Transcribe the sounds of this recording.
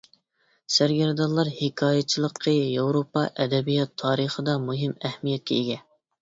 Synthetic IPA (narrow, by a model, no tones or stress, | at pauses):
sæɾɡʲæɾd̪ɑlˠːɑɾhɪkʰɑːjɛt͡ʃʰilˠəqʰːəjowɾopɑʔɛd̪ɛbijɑt̪ʰːɑːɾəχəd̪ɑmuɦɪmɛhmijɛt̪̚kʲɛeɡʲɛ